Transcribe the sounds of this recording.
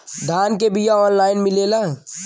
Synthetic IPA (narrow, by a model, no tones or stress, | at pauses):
d̪ʱaːnkebʱijaɔːnlaːɪnmɪleːla